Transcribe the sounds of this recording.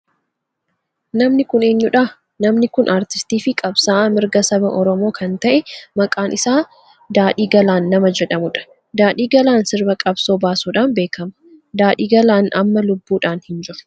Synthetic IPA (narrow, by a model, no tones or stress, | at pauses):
nɐmnɪkʊne̞ːɲːʊᶑaː | nɐmnɪkʊnʔaːɾt̪ɪ̥st̪iːfɪkʼɐbsaːmɪɾɡɐsɐbɐʔɔɾɔmo̞ːkʰɐnt̪ɐʔɛmɐkʼaːnʔɪsaː | d̪aːᶑiːɡɐlaːnːɐmɐd͡ʒɛᶑɐmʊᶑɐ̥ | d̪aːᶑiːɡɐlaːnsɪɾbɐkʼɐbso̞ːbaːsuːᶑaːnbe̞ːkʰɐmɐ̥ | d̪aːᶑiːɡɐlaːnɐ̰mːɐlʊbːuːᶑaːnhɪnd͡ʒɪɾʊ̥